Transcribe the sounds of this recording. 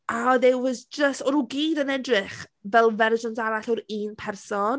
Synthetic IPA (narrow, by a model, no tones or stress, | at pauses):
aðɛwwɔsd͡ʒəstɔɾuɡiːdənɛdrɪχvɛlˠvɛrʒɔntaɾaɬɔɾiːnpʰɛrsɔn